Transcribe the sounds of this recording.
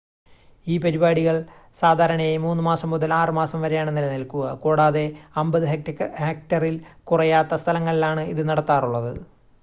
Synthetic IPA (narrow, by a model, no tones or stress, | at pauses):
iːpɐɾibaːɽiɣɐɭsaːd̪ʱaːɾɐɳɐjemuːnːɨmaːsɐmːuðɐlaːrɨmaːsɐmʋɐɾejaːɳenːilɐnɐlkuɣɐkuːɽaːðe̞ɐmbɐðɨɦhek̚tɐrilkurɐjaːt̪ːɐst̪ʰɐlɐŋːɐɭilaːɳɨiðɨnɐɽɐt̪ːaːruɭːɐðɨ